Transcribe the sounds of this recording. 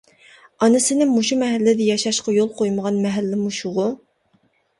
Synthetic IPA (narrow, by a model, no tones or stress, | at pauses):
ɑnɨsɪnɪmuʃumɛɦɛlːɪd̪ɛjɑʃɑʃqɑjolˠqojməʁɑnmɛɦɛlːɪmuʃuʁʊ